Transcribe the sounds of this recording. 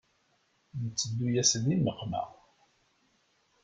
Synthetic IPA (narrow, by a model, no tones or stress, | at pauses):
nət͡sːəd̪ːujæsəniməqmæ̰